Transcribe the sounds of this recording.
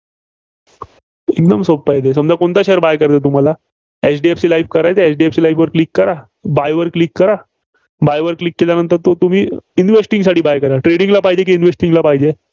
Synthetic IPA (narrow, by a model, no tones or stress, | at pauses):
ek̚d̪əmsobpaɦjd̪esəmd͡ʑakoɳt̪aɕeəɾbajkəɾt̪et̪um̤ala | et͡sɖieft͡ɕilaifkəɾajt̪eesɖieft͡ɕilajfʋəɾklikːəɾa | bajʋəɾklikːəɾa | bajʋəɾklikːeljanənt̪əɾt̪ot̪um̤iːinʋesʈĩŋɡsaʈiːbajkəɾaʈɾeɽiŋɡlapaɦid͡ʑek̬iinʋesʈiŋɡlapaɦid͡ʑe